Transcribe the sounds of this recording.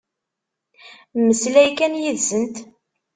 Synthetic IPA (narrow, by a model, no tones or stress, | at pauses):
mːəslæjkænjiðsənt̪